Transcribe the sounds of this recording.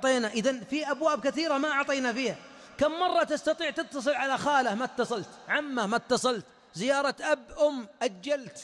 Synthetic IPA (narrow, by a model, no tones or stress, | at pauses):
t̪ˤeːnaʔɪðanfiʔabwaːbkɪθiːɾamaʔɑʕt̪ˤiːnafiːha | kamːɑrˤːɑt̪ɪst̪ɑt̪ˤiːʕt̪ɪt̪ːɑs̬ˤɨlʕalaxaːlahmat̪ːɑsˤɑlt̪ʕamːamat̪ːɑsˤɑlt̪ | zɪjɑːɾˤɑt̪ʔabːʔʊmːʔad͡ʒːalt̪